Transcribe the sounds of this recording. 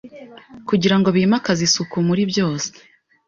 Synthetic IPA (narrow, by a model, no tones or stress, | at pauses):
kuɟiɾaŋɡo̞βiːmakazisukumuɾibjo̞ːse̥